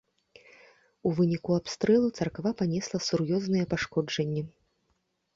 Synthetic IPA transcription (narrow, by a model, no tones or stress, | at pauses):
uvɨnʲikuapst̪ɾɛlˠut̪sɐrkvapanʲɛslˠɐsurjɔznɨjɛpaʂkɔd͡ʐɐnʲːɛ